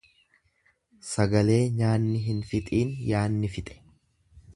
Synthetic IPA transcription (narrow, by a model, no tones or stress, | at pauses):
sɐɡɐle̞ːɲaːnːɪɦɪnfɪt̪ʼiːnjaːnːɪfɪt̪ʼɛ̥